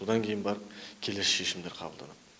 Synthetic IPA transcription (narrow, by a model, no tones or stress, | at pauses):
od̪ɑŋkʲʰe̞jɪnbɑɾəp̚kʲʰe̞lesʃe̞ʃɪmd̪eɾqʰɑ̰bəlˠd̪ɑ̰nɑd̪